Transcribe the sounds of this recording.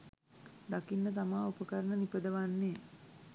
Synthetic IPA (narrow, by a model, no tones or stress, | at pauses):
d̪akinːət̪amaːupəkəɾənənipəd̪əʋanːeː